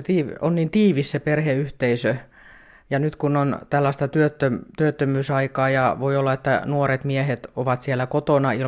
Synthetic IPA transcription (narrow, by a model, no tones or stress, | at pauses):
t̪iːo̰nniːnt̪iːʋisseperheyht̪eisø | jɑnyt̪kunːont̪ælːæst̪ɑt̪yøt̪ːømt̪yøt̪ːømyːsɑikɑːjɑʋoiolːɑet̪ːæ̰nuoret̪miehet̪oʋɑt̪sielːækot̪onɑil